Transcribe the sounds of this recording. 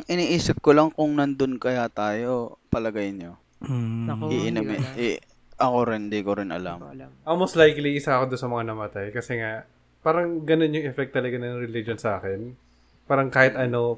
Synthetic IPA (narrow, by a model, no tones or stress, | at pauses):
ŋʔɪniːʔiːsɪp̚kolɐŋkʊŋnɐnd̪onkɐjat̪aːjo̞pɐlɐɡajnɲo | ʔiʔɪnɐmɪ | ʔɐko̞ɾɪnd̪ikoɾɪnʔɐ̰la̰mʔolmost̪lajkliʔɪsaʔɐkod̪onsɐmɐŋanɐmɐt̪ajkɐsɛŋaʔ | paːɾɐŋɡɐnonjʊŋʔɛfɛk̚t̪ːɐlɐɡanɐŋɾɛlid͡ʒonsɐʔaːkɛn | paːɾɐŋkaːhɪt̪ʔɐno̞